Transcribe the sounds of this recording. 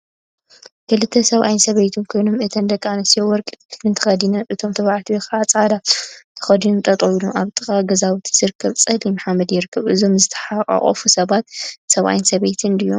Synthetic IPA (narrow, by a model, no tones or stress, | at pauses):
kʰɨlɨt̪ʰːɐsɐβʔa̰jnsɐβejt̪ʰunkʰo̞jno̞mɨt̪ʰɐnd̪ɐkʼːaanɐsijowɔɾkʼit̪ʰɨnt̪ʰɐ̥xɐd̪inɐʔɨt̪ʰo̞mt̪ʰɨβaʕat̪ʰiwekaat͡sʼad̪at̪ʰɨ̥xɐd̪inomt̪ʼɐt̪ʼɐwluʔaβt̪ʼɨkʼaɡɐzawut̪ʰi̥zɨɾɨkʰːɐβt͡sʼɐlimaħamɐd̪jɪɾɨkʰːɐβʔɨzomzɨt̪ʰɐ̥ħaχʼa̰χʼɐ̰fusɐβat̪̚sɐβʔa̰jinsɐβejt̪ʰɨnd̪ɨjo̰